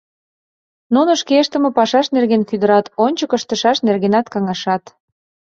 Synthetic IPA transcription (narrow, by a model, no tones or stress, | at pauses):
nunə̆ʃkeəʃt̪ə̆mə̆pɑʃɑʃnerɣenkyd̪əɾɑt̪onʲt͡ɕəkə̆ʃt̪ə̆ʃɑʃnerɣenɑt̪kɑŋɑʃɑt̪